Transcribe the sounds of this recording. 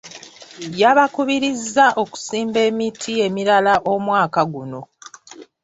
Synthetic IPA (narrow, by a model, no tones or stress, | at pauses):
jaβakuβiɾizːaʔo̞ku̥siːmbe̞ːmitʰie̞miɾalaʔo̞mwaːkaɡuno̞